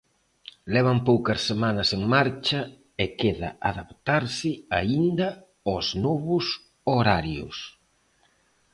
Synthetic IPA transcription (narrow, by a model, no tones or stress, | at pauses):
lɛβ̞ɐmpowkɐsːemanɐseŋmaɾt͡ʃɐ | ekeða̰ʔaðapt̪aɾsɪaind̪ɐ | oznɔβʊs | oɾaɾjʊ̰s